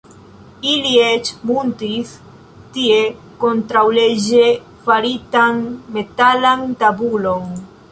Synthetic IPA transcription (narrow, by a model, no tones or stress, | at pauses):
iliet͡ʃmuntis | tie̞ | kont̪ɾawleʒe | faɾitanme̞talant̪abulo̞n